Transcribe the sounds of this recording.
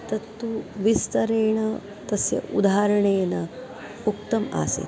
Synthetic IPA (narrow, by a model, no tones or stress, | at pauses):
t̪ɐt̪ːuʋist̪ɐɾeːɳɐ | t̪ɐsjɐ̰ʔud̪ʱaaːɾɐɳeːnɐ | uk̚t̪ɐma̰ːsḛt̪